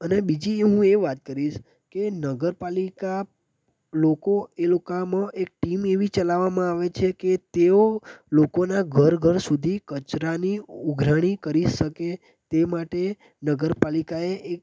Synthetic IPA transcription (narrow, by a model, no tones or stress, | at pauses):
ənebid͡ʒiɦũeʋat̪̚kəɾiʃ | kenəɡəɾpalika | lokoelokamãʔek̚ʈimeʋit͡ʃəlaʋːamãaʋet͡ʃʰeket̪eolokonaɡʱəɾɡʱəɾsud̪ʱikət͡ʃɾaniuɡʱɾaɽ̃ikəɾiʃəke | t̪emaʈe | nəɡəɾpalikaeʔek